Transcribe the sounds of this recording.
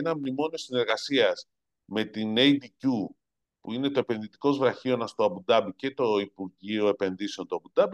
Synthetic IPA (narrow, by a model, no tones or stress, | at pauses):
enɐmnimo̞nio̞sine̞ɾɣɐsiɐz | me̞t̪inejd̪icu | puine̞t̪o̞e̞pe̞nðit̪i̥ko̞zvɾɐçio̞nɐst̪o̞ɐbud̪ɐbice̞t̪o̞ipuɾʝio̞e̞pe̞nðise̞nt̪oɐbud̪ɐbi